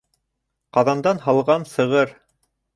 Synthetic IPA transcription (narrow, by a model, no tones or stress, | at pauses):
qɑðɑnd̪ɑnɦɑlˠʁɑnsɤ̆ʁɤɾ